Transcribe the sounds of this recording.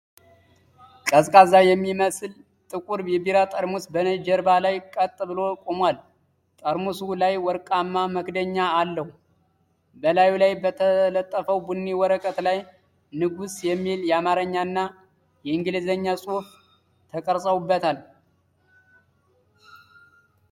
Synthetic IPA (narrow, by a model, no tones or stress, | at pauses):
kʼəskʼazajɛmːiməsɨl | t̪ʼɨkʼuɾjɛbiɾat̪ʼəɾmusbənəd͡ʒɛɾbalajkʼət̪ʼːɨβɨlo̞kʼomwal | t̪ʼəɾmusulajwɔɾkʼamːaməkd̪əɲːaːlːəhu | bəlajulajbət̪ʰələt̪ʼːəfəwbunːiwɔɾəkʼət̪laj | nɨɡusjɛmːiljɛamaɾəɲːanːa | jɛɨŋɡɨlɨzəɲːasʼuf | t̪ʰəkʼəɾsʼəwubːət̪ʰal